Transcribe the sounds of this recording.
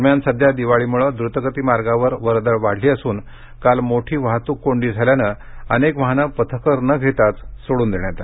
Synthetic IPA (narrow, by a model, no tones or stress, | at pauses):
əɾmjansəd̪ʱjad̪iʋaɭiːmuɭəd̪ɾut̪əɡət̪iːmaɾɡaʋəɾʋəɾd̪əɭʋaɽ̤liːəsuːn | kalmoʈʰiːʋaɦt̪uːkːoɳɖiːd͡zʱaljanə | ənekʋəɦanəpət̪ʰəkəɾnəɡʱet̪at͡ssoɽuːnd̪eɳjat̪a